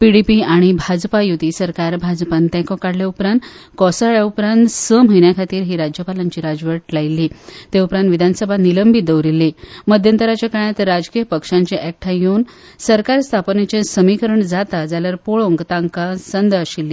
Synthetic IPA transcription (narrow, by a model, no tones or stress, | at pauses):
piɽipiaɽ̃ibʱad͡zpajut̪iːsəɾkaɾbʱad͡zpant̪jãkɔ̃kaɽljaupɾãnt̪ | kɔsaɭjaupɾãnt̪səmɦəjɳjakʰat̪iːɾɦiːɾad͡ʑjəpalaɲt͡ɕiːɾad͡zʋəɾʈlajlːiːt̪eupɾãnt̪ʋid̪ʱansəbʱaniləmbʱit̪̚d̪əwɾilːiməd̪ʱjənt̪əɾat͡ɕjakaɭ̃jat̪ɾad͡zkijəpəkʂãɲt͡ɕeʔɛk̚ʈʰajeun | səɾkaɾst̪ʰapnet͡ɕẽsəmikəɾəɳd͡zat̪ad͡zaljaɾpoɭõŋɡt̪ãŋkasənd̪əɕilːiː